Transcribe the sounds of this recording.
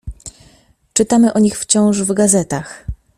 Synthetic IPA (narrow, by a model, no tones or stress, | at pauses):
t͡ʂɘt̪amɘʔɔɲixft͡ɕɔ̃w̃ʐvɡazɛt̪ax